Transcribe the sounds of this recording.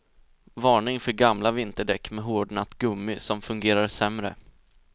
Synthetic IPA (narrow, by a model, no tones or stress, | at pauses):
vɑːɳɪŋfœɾɡamlavɪnt̪əɖɛkːmɛɦoːɖɳat̪ːɡɵmːɪsɔmfɵŋɡeːɾaɾsɛmɾə̰